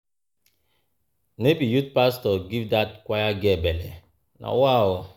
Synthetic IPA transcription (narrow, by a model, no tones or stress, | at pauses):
nebijut̚pastɔɡivdat̚kʷajaɡebɛle | na̰wa